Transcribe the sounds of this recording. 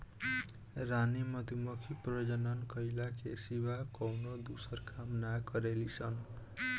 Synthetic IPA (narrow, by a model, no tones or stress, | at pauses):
ranimʌt̪umʌkʰiprʌd͡ʒʌnʌnkʌjlakesibakʌwnod̪usʌrkamnakʌɾelisʰʌn